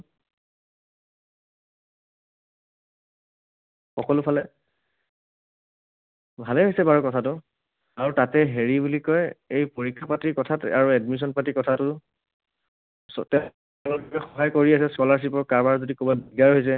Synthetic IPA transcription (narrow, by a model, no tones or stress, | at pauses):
xɔkɔlʊpʰalɛ | bʱalɛɦojsɛbaɹɔkɔtʰatʊ | aɹutatɛɦeɹibulikɔjejpoɹikʰːapatikɔtʰata̰ɹuɛdmis̬ɔnpatikɔtʰatʊ | sɔtɛ | bɔkɛxɔɦajkoɹiasɛskɔlaɹs̬ipɔɹkaɹbaɹzodikɔbɔbiɡaɹɦojs̬ɛ